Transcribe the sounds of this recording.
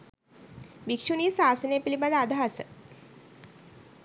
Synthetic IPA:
bikʂuniːsaːsənejpilibad̪əad̪ʱaɦasə

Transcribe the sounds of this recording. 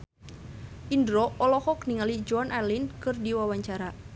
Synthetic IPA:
ʔindɾɔɔlɔhɔkniŋalid͡ʒɔanʔalinkɨrdiwawaɲt͡ʃaɾa

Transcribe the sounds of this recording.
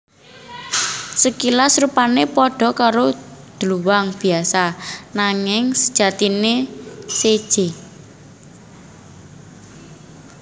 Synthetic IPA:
səkilasɾupanepɔɖ̥ɔ̤kaɾod̪̥luwaŋb̥i̤asanaŋɪŋsə̥d̥ʒ̥a̤t̪inesed̥ʒ̥e

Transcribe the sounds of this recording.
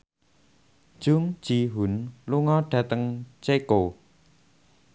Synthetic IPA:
ʒ̥uŋ̥d͡ʒ̥iɦunluŋɔɖ̥ä̤t̪əŋt͡ʃeko

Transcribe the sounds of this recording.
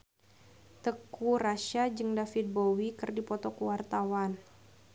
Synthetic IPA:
t̪əkuraʃad͡ʒɨŋdafit̪̚bowikərdipɔt̪ɔkəwart̪awan

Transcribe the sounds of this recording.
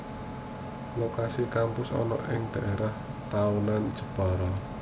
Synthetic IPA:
lokasikampʊsɔ̰nɔ̰ʔɪŋd̪̥aʔeɾah | t̪aunand̥ʒ̥ə̤̥b̥a̤ɾɔ

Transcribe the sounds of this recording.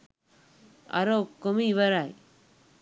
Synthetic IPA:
ɐ̰ɾoːkːomiːʋɐɾaːj

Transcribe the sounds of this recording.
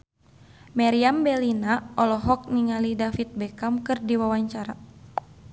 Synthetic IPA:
maɾiambɛlinaɔlɔɦɔk̚niŋalidafit̪̚bɛkamkɨrdiwawaɲt͡ʃaɾa

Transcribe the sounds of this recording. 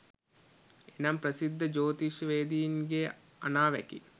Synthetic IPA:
enɐmprɐsid̪ʱːɐd͡ʒoːt̪iʃʋeːd̪ijinɡe | ɐ̰naːʋɛ̰kḭ

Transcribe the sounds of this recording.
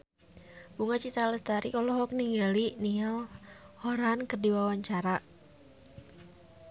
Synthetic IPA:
b̥uŋat͡ʃit̪ɾaləst̪aɾikɔlɔɦɔk̚niŋɡalinialhɔɾankərdiwawaɲt͡ʃaɾa

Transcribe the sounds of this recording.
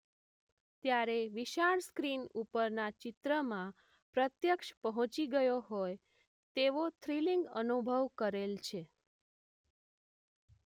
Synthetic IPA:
t̪jaɾeʋiʃaɽskɾinupəɾnat͡ʃɪt̪ɾəmã | pɾət̪jəkʃpəɦɔ̃t͡ʃiɡəjoɦoj | t̪eʋot̪ʰɾiliŋɡə̰nubʱəʋkəɾelt͡ʃʰe

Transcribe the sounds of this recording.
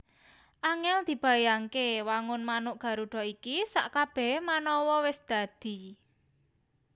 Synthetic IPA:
ʔaŋɛld̪̥i̤b̥a̤jaŋkewaŋʊnmanʊʔɡ̥a̤ɾuɖ̥ɔ̤ikisa̰ʔkab̥ɛ̤ɦmanɔwɔwɪsd̪̥ä̤d̪̥i̤

